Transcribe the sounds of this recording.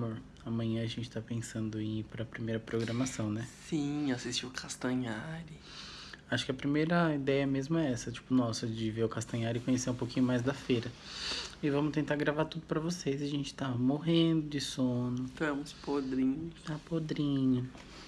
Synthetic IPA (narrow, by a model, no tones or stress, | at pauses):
moɾ | ɐmɐ̃jɲɐ̃ɐʒẽnt͡ʃɪ̥t̪apẽsɐ̃nd̪ʊẽpɾɐpɾimejɾɐpɾoɡɾɐ̃masɐ̃w̃nɛsĩasist͡ʃiwʊkʰast̪ɐ̃ɲaɾɪ | aʃʊ̥kɪɐpɾimejɾɐid̪ɛjɐmezmʊɛɛsɐt͡ʃi̥pʊnɔsɐd͡ʒɪveɾʊkast̪ɐ̃ɲaɾʊɪkõɲeseɾũpowkĩɲʊmajzd̪ɐfejɾɐ | ɪvɐ̃mʊt̪ẽnt̪aɾɡɾavaɾt̪ud̪ʊpɾɐvosezaʒẽnt͡ʃɪ̥t̪amoɦẽnd̪ʊd͡ʒɪsõnʊt̪ɐ̃mʊspod̪ɾĩɲʊst̪apod̪ɾĩɲʊ